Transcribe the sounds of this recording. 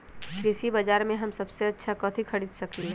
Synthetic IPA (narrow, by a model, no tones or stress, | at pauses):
kɾɪsibəd͡ʒaːɾmẽɦɐmsɐbseɐtːʃʰakɐt̪ʰikʰɐɽid̪sɐkli